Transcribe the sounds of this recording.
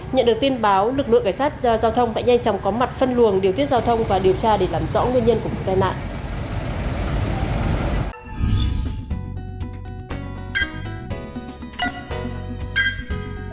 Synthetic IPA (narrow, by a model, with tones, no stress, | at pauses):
ɲə̰˧˨nɗɨ˨˩ək̚t̪i˧ə˧nɓaː˨˦wlɨ˨˩k̚lɨ̰˧˨ŋkaː˧˩jsaː˦˥t̚zaː˧wt̪ʰə˧wŋ͡mt̪a̰ː˧˨ŋa˧jŋt͡ɕɔ˨˦wŋ͡mkɔ˨˦ma˨˩t̚fə˧nlɨ˨˩ənɗi˨ət̪ʰi˦˥t̚zaː˧wt̪ʰə˧wŋ͡mvaː˨˩ɗi˨˩əwt͡ɕaː˧ɗe˧˩laː˨˩mzɔ̰˧˥ŋɨ˧əɲə˧nkəvo̰˨t̪aː˧jna̰ː˧˨nʔ